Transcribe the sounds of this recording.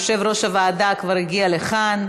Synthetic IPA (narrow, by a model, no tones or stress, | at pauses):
ʃe̞vɾo̞ʃhavaːd̪akvaʁhiɡialeχan